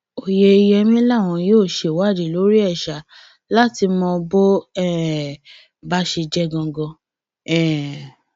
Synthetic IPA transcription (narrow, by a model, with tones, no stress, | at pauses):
o˨je˧jɛ˧mĩ˦la˦˨w̃ɔ̃˧joː˦˨ʃe˨wa˦˨di˨lo˨˦ɾi˦ɛ˦˨ʃa˨˦ | la˦ti˧mɔ̃˧bo˦ɛ˦˨ | ba˦ʃe˧d͡ʒɛ˦ɡɔ̃˧ɡɔ̃˧ | ɛ̃˦˨